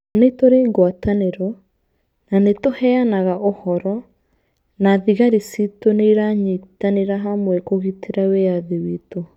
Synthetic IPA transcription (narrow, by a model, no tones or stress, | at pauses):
anetoɾeɡwataneɾɔ | nanetohɛanaɣaʔohɔɾɔ | naðiɣaɾisitoneiɾaɲitaneɾaɦamwɛkoɣitʰeɾaweaðiwiːto